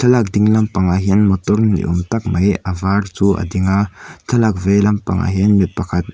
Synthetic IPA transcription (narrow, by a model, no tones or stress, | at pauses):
t̪ʰɐlak̚d̪ɪŋlɐmpaŋaɦinmɔt̪ɔrnḭʔɔmt̪ak̚mɐjʔɐvart͡suʔa̰d̪iŋat̪ʰɐlak̚vejlɐmpa̰ŋa̰ɦinmit̪̚pɐkʰat̪̚